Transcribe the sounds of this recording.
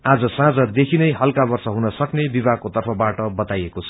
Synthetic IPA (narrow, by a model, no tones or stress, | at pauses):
ad͡zʌsãd͡zʌd̪ekʰinʌjɦʌlkabʌrsʌɦunʌsʌknebibaɡ̚kot̪ʌrpʰʌbaʈʌbʌt̪ajekot͡sʰʌ